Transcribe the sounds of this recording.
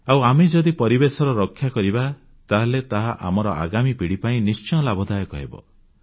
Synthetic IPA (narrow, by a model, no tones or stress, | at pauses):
awamed͡ʒɔd̪ipɔɾibesɔɾɔɾɔkʰːjakɔɾiba | t̪aɦelet̪aɦaʔa̰mɔɾɔa̰ɡamipiɽipaĩnist͡ʃɔ̃ɔlabʱɔd̪ajɔkɔɦḛbɔ̰